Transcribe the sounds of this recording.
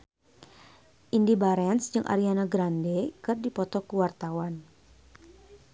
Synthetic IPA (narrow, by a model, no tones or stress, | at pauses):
ʔindibaɾɛnsd͡ʒɨŋʔa̰ɾianaɡɾandekɨrdipɔt̪ɔkuwart̪awan